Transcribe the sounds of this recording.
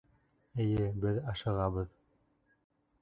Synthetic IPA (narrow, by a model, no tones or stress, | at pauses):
ɘ̆jɘbɘðɑʃɤ̆ʁɑβɤð